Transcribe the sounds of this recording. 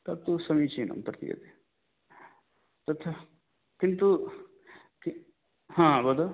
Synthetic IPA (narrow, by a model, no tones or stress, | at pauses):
t̪ɐt̪ːusɐmit͡ʃinʔɐ̰nt̪ɐɾt̪ḭjɐ̰t̪e | t̪ɐt̪ʰɐ | kint̪u | ki | ɦãːbɐd̪ɐ